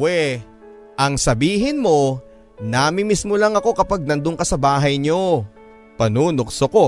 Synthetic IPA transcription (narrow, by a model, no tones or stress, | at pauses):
wɛ | ʔɐŋsɐbiːɦɪnmo̞ | naːmɪmismolɐŋɐko̞kɐpaɡ̚nɐnd̪ʊŋkɐsɐbaːɦɐjɲo̞ | pɐnuːnʊksoko̞